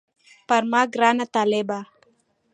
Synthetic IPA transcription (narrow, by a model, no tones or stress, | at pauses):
parmaɡɾanat̪alɛba